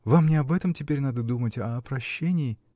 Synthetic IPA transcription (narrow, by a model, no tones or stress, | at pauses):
vamnʲɪɐbɛt̪əmtʲɪpʲeɾʲnad̪əd̪umətʲɐpɾɐɕːenʲɪɪ